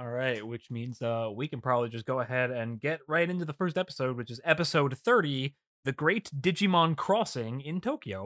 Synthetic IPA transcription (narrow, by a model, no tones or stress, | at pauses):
ɔlˠɹaɪt̚wɨt͡ʃmĩnzʌwikɨ̃n̩pʰɹ̥ɑbəblid͡ʒʌs̬ɡ̥oʊəɦɛɾɨ̃nɡɛt̚ɹaɪɾɪ̃ntʉðəfɜ˞stɛpə̥soʊd̚wɨt͡ʃɨzɛpɨsoʊd̪̚θɜ˞ɾi | ðɨɡɹeɪtd̥ɪd͡ʒimɑ̃nkʰɹ̥ɔsɪ̃ŋɪ̃ntʰoʊkioʊ